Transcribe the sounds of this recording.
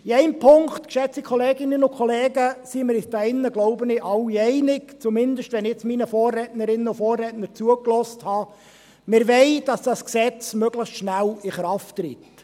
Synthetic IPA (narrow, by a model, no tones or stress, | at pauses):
iɛɪmpʰʊŋktkʃɛt͡sikʰχɔleːɡɪnənʊkʰχɔleːɡəsimɪɾɪsd̥ɑɪnːəɡloʊbənɪʔɑlːiɛɪnɪkt͡sumɪnd̪əʃtʋɛnɪt͡sminəfɔːrːɛtnəɾɪnːəʊfɔːrːɛːtnəɾt͡suəklɔsthɑː | mɪɾʋɛɪd̥ɑsd̥ɑsksɛt͡smœɡləχsʃnælɪχɾɑftːɾit